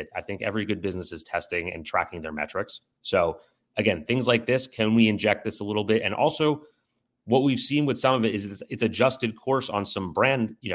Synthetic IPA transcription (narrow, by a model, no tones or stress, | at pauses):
ɾaɪθɪ̃ŋkɛ̰vɹiɡʊd̚bɪznɨsɨz̥tʰɛstɪ̃ŋɨ̰̃ntʰɹ̥æ̰kɪ̃ŋðə˞mɛ̰t͡ʃɹ̥ɨksː | oʊ | ʔɨɡɛ̃nθɪ̃ŋzlaɪk̚ðɪskʰɨ̃nwiɨ̃nd͡ʒɛk̚t̪̚ðɪsəlɪɾl̩ˠbɪtɨ̰̃nʔɔ̰lˠsoʊ | wʌt̚wiv̥sĩnwɨð̥sʌ̃mʌvɨɾɨzɨtsɨtsɨd͡ʒʌstɨd̚kʰɔɹsn̩sʌ̃mbɹæ̃nd̥jɨnoʊ